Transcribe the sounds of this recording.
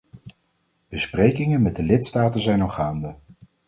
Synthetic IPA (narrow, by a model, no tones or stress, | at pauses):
b̥əsprejkɪŋənmɛt̚dəlɪtstaːtənzɛjnɔχaːndə